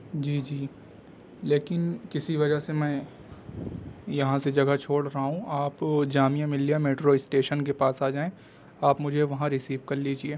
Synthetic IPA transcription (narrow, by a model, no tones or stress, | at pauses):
d͡ʒiːd͡ʒiː | leːkɪnkɪsiʋɐd͡ʒəsemɛ̃ː | jɐɦãsed͡ʒɐɡat͡ʃʰoːɽɾɐɦaɦũaːpd͡ʒaːmijamɪlijameːʈɾoːɪsʈeːʃənkepaːsaːd͡ʒaːẽ | aːpmʊd͡ʒʱeʋɐɦãɾɪsiːʋkɐɾliːd͡ʒieː